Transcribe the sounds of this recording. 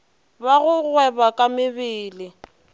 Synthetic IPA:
baɣʊɣwɛbakʼamɪbɪːlɪ

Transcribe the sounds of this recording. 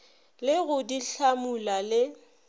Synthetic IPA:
lɪɣʊdiɬamulalɪ

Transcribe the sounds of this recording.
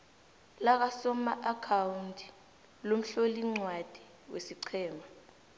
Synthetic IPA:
lak̬asɔmaʔakʰawuntʰʼi̥ | lom̩ɬoliŋ͡ǀwad̥ʱi̥ | wʔḛsiǀʰɛːma

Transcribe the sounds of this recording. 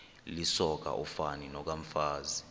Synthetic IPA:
lisɔk̬a̰ʔufaninɔk̬aɱ̩faːzi

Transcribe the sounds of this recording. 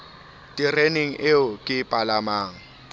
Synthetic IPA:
tʼɪreneŋ̩ʔeʊkʼɪpʼalamaːŋ̩

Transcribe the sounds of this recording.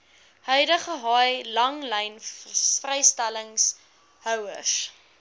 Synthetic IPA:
hœɥdəχəɦɑjlɐŋlɛjnfrɛjstæləŋs | hœwə̰s

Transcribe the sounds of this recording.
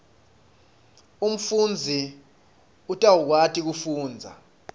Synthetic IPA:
um̩fund͡zʱi | utʼawuk̬watʰʼik̬ufuːnd͡zʱa̰

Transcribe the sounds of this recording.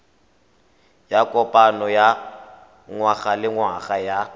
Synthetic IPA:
jakʼɔpʼanɔja | ŋwaɣalɪŋwaɣaja

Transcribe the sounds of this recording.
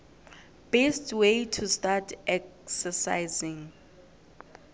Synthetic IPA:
b̥estwejtʰustatʰɛksɛsa̰jzĩŋ

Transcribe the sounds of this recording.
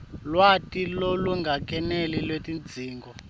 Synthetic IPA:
lwatʼiloluŋɡʱak̬ʼɛnɛlilwetʼind͡zʱiːŋɡɔ

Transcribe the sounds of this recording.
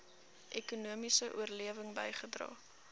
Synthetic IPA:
ʔɛkunuəmisəʔṵərliəvəŋbəjχədrɑ̰ː

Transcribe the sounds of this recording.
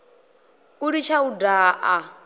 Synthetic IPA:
uɾit͡ʃʰaudaːʔa

